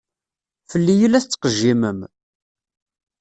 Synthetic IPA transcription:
fəlːijəlæθt͡sːqəʒːiməm

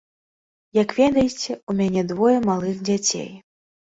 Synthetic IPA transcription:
jɐkvʲɛd̪ɐjet͡sʲɛumʲanʲɛd̪vɔjɐmalˠɨxd͡zʲat͡sʲḛj

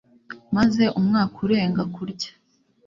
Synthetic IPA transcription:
maze̞ʔumŋaːkuɾe̞ːŋɡakuɾɟḁ

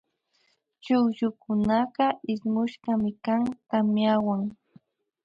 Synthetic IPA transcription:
t͡ʃʊkjʊkʊnɑɢɑɪsmʊʃɢɑmɪkaŋt̪amjawaŋ

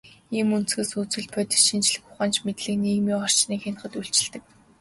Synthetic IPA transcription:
iːmun̥t͡sɡɘ̆suːt͡sɵ̆ɮpʰœt̪ʲɪ̥̆ʃint͡ɕɮɘ̆xʊ̥χaːnt͡ɕmet̪ɮɘ̆kniːmiːɔr̥t͡ɕniːkxen̆χə̆t̪uɬt͡ɕɪ̆ɮt̪ɘ̆k̚

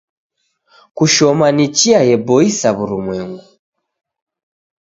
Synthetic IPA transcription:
kuʃɔmanit͡ʃiajɛbɔisaβuɾumwɛŋɡu

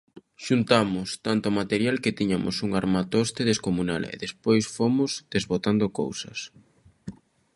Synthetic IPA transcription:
ʃunt̪amʊst̪ant̪ʊɔmat̪eɾjalket̪iɲamʊ̰suŋaɾmat̪ost̪eðeskomuna̰lḛðespojsfomʊzd̪̥ezβot̪and̪oko̰wsɐ̰s

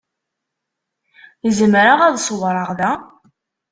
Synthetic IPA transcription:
əzəmɾaʁæðsˤəwɾˤɑʁðæ

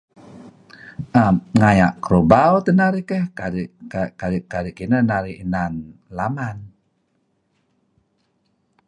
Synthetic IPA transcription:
ʔamŋajaʔkəɾobawt̪ənaɾikəhadakadikadiʔkinənaɾiinanlaman

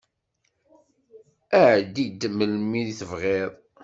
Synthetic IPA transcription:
æʕd̪id̪məlmiðiθəvʁeðˤ

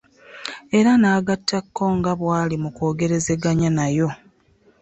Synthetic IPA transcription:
e̞ɾanaːɡatːakːo̞ŋɡaβwaːlimuko̞ːɡe̞ɾe̞ze̞ɡaɲanajo̞

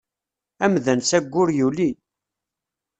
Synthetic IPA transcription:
æmðænsæɡʷːʊɾjuli

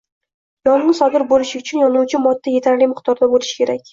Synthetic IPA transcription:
jɒnɪŋsɒd̪ɪɾbolɪʃɪʊt͡ʃʰʊnjɒnuwt͡ʃʰɪmɒd̪ːaje̞t̪ʰaɾlɪmʊχt̪ɒɾd̪abolɪʃkʲe̞ɾakʲ

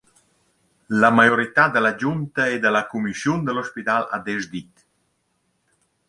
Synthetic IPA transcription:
lamajɔɾit̪ad̪əlad͡ʒunt̪aed̪əlakumisjund̪əlɔspit̪ala̰d̪ɛzd̪it̪

